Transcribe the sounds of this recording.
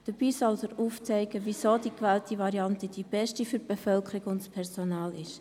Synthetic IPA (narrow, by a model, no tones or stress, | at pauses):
d̥əb̥iːsɔldəɾuːft͡sɛɪɡəʋisoːd̥ikʋæːltiʋɑɾiɑntəd̥ib̥ɛʃtifyɾb̥ɛfœlkʰəɾɪɡʊntspʰɛɾsonɑːlɪʃ